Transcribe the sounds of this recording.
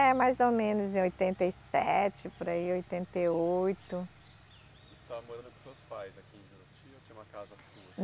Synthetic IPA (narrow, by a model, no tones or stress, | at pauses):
ɛmajzomẽnʊzẽojt̪ẽnt̪eisɛ̰t͡ʃɪpʊɾaiojt̪ẽnt̪eojt̪ʊ | st̪avɐmoɾɐ̃nd̪ʊpõsewspajzɐkĩded̪ʊt͡ʃiɐt͡ʃĩɲ̃ũmɐkazɐsuɐ